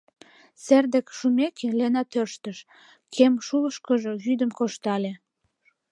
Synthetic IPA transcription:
serd̪ekʃumekʰelenɑt̪ørʃt̪əʃ | kʰemʃuləʃkəʒoɣyd̪əmkoʃt̪ɑlʲe

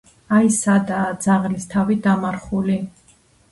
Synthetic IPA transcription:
aisad̪ad̪zaʁlist̪ʰavid̪amaɾχuli

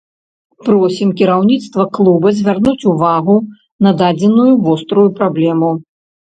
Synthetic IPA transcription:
pɾɔsʲimkʲiɾawnʲit̪st̪vɐklˠubɐzʲvʲarnut͡sʲuvaɣu | nɐd̪ad͡zʲɛnujuvɔst̪ɾujupɾablʲɛmu

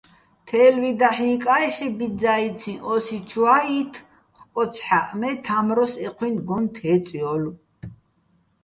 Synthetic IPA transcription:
t̪ʰɛːlwid̪aħiːkʼajχibid͡zait͡s̪ʰĩʔɔsit͡ʃʰuwait̪ʰ | χkʼɔt͡sʰħaʔmɛt̪ʰamɾɔsɛqʰwinɡɔnt̪ʰɛːt͡sʼjɔlu

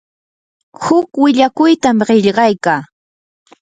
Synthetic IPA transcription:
hʊkwɪʎakʊjt̪amɢɪʎɢɑjkaː

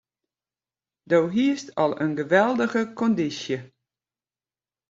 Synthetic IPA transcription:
dowɦiəstɔlˠənɡəʋɛlˠdəɣəkʰɔndisjə

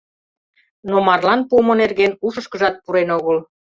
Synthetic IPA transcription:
nomɑrlɑnpumonerɣenuʃəʃkə̆ʒɑt̪̚puɾenoɣəl

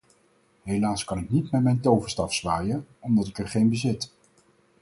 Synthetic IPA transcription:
ɦejlaːskɑnɪknitmɛtmɛjntowvə̥stɑfsʋaːjəɔmdɑtɪkəɹχejnbəzɪt

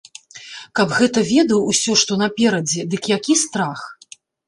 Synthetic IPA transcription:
kɐbɣɛt̪ɐvʲɛd̪ɐwusʲɔʂt̪ɔnɐpʲɛɾɐd͡zʲɛd̪ɨkjakʲist̪ɾax

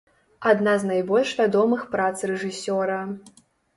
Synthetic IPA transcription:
ad̪naznajbɔlʲʂvʲad̪ɔmɨxpɾat̪srɛʐɨsʲɔɾɐ

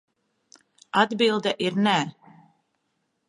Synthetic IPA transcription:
ad̪bilˠd̪ɛʔiɾnɛ

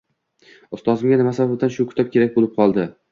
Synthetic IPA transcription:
ʊst̪ɒzɪmɡʲanɪmasabap̚d̪anʃʊkʲʰʊ̥t̪ap̚kʲe̞ɾak̚ʲbolɪp̚qʰɒlˠd̪ɪ

